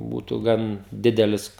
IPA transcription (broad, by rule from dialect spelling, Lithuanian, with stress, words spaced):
ˈbuːtʊ ˈɡɐn ˈdʲɪdʲɛlʲɪs